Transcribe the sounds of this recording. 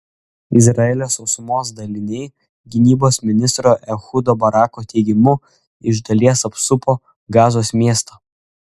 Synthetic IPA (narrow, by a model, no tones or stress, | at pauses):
ɪzɾɐɛlʲoːsɔʊsʊmoːs̬d̪ɐlʲɪnʲɛɪ | ɡʲɪnʲiːboːsmʲɪnʲɪst̪ɾoːʔɛxʊd̪oːbɐɾɑːkoːt̪ʲɛɪɡʲɪmʊ | ɪʒd̪ɐlʲiɛsɐpsʊpoː | ɡɑːzoːsmʲiɛst̪ɐ